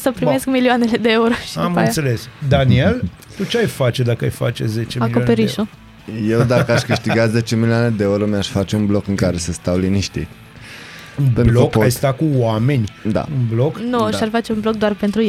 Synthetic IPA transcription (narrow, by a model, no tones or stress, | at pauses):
səpɾime̞skmilioane̞le̞d̪eeuɾoʃi̥amanaselesd̪anie̞l | t̪ut͡ʃeajfat͡ʃed̪akəajfa̰t͡ʃezet͡ʃemaikopeɾiʃo | je̞wd̪akəaʃʲkɨʃt̪iɡat̪ze̞t͡ʃe̞milioane̞d̪eeuɾo̞mjaʃfat͡ʃe̞unblo̞kɨŋkaɾe̞səst̪awliniʃt̪ḭ | ɨnpenb̪lokajst̪akuwame̞nʲd̪a̰ɨnbloknuʃarfat͡ʃe̞unblo̞k̚d̪oarpe̞nt̪ɾuje